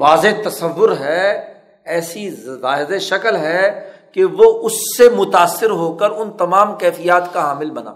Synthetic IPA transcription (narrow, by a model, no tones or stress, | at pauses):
ʋaːzet̪ɐsɐʋːʊɾɦɛ | ɛːsizaːɪzeʃɐkəlɦɛkeʋoʔʊsːemʊt̪aːsːɪɾɦoːkəɾʊnt̪ɐmaːmkɛːfijaːt̪kaɦaːmɪlbɐna̰ː